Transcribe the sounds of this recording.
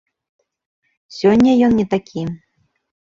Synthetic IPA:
sʲɔnʲːɐjɔnnʲɛt̪akʲʰi

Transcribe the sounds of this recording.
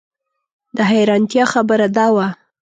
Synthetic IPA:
d̪əɦajɾɑnt̪jɑxabəɾad̪ɑwa

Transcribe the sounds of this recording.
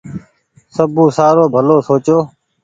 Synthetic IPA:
səbũːsaːɾoːbʱəloːsoːt͡ʃoː

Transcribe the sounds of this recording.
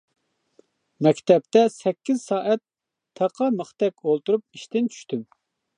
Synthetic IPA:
mɛkʲt̪ɛp̚t̪ɛsɛkʲːizsɑːʔɛt̪ʰː | ɑqʰɑməχt̪ɛkʲolˠt̪uɾup̚iʃt̪ɪnt͡ʃʰy̥ʃt̪ym

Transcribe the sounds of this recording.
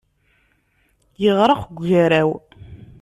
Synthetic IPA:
jəʁɾˤəqɡʷːaɾæw

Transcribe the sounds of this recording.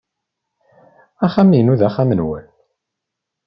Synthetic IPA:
æχæmijnuðæχamənwə̰l

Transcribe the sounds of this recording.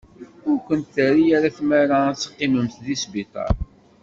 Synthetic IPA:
ʊɾkʷənt̪θæɾijaɾaθmaɾat͡sːə̥qːiməmθðisbit̪ˤɑ̰ɾˤ

